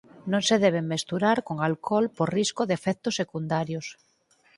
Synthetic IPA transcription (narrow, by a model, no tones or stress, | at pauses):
nõŋseðɛβ̞eŋmest̪uɾaɾkoŋalkʰɔlpoɾriskoðefɛk̚t̪osːekund̪aɾjos